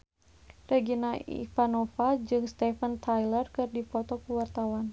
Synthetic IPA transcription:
rɛɡinaiḭfanɔfad͡ʒɨŋst̪ɛfənt̪ʰajlərkɨrdipɔt̪ɔkuwart̪awan

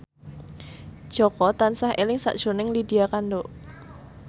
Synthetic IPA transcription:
d̥ʒ̥ɔkɔt̪ansahelɪŋsa̰ʔd̥ʒ̥o̤nɪŋlidiakando

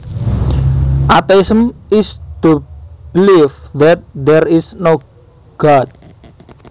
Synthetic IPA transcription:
ʔat̪eisəmist̪ub̥ilifðɛt̪̚d̪ɛrisno | ɡ̥at̪̚

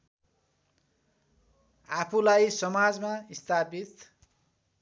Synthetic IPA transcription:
apʰulajsʌmad͡zmaist̪ʰapit̪

